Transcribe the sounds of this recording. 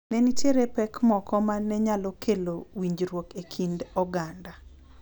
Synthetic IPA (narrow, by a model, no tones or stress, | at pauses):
nɛnitjeɾepɛkmɔkɔmanːɛɲalɔkʰelowiɲd͡ʒɾwokekʰindɔɡanda